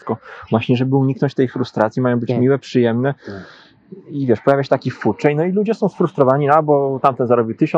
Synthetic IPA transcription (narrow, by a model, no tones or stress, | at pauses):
kɔvwaɕɲɛʐɛbɘuɲiknɔɲt͡ɕt̪ɛjfɾust̪ɾat̪sʲjimajɔ̃w̃bɘt͡ɕmʲiwɛpʂɘjɛmnɛ | ivʲjɛʂpɔjavʲawɕ̬ɛt̪akʲifut͡ʂɛjnɔilud͡ʑɛsɔ̃w̃sfɾust̪ɾɔvaɲialbɔt̪amt̪ɛnzaɾɔbʲiwt̪ɘɕɔ